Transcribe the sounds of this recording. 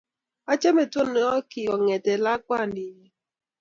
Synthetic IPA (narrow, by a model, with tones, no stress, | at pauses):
a˦t͡ʃe˦me˨to˦n˨˦ɔ˦ki˨ɔ˨ŋe˨te˨la˦ka˦˨ni˨je˦